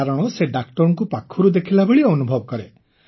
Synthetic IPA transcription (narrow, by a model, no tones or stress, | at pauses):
aɾɔɽ̃ɔseɖak̚ʈɔɾɔŋkupakʰːuɾud̪ekʰilabeɭiɔnubʱɔbɔkɔɾe